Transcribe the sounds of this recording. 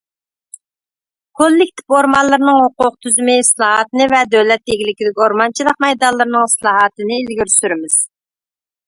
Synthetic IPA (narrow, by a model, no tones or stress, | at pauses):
kʰolːɪk̚ʲt̪ʰɪ̥poɾmɑnlˠɨɾnɨŋhoqʊq̚t̪ʰyzymɪslˠɑːɦɑt̪ɨnɨvɛd̪øwlɛt̪̚jeɡʲilɪkʲid̪ɪkʲoɾmɑnt͡ʃʰilˠəq̚mɛjd̪ɑlˠɨɾɨnɨŋslˠɑːɦɑt̪ɨnɪːlɡʲyɾsyɾɪmɪz̥